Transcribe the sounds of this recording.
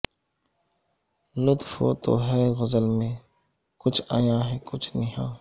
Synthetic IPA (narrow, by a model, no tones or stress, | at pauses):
lʊt̪fo̰ːt̪o̰ːɦɛːɣəzəlmẽː | kʊt͡ʃʰa̰ːjãːɦɛːkʊt͡ʃʰnɪɦãː